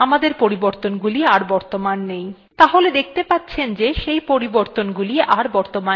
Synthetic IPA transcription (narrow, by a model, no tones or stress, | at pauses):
amad̪eɾpoɾiboɾt̪onɡuliaɾbɔɾt̪omanːej | t̪aɦoled̪ek̚ʰt̪epat̪ːɕʰend͡ʑeʃejpoɾiboɾt̪onɡuliʔaɾbɔɾt̪oma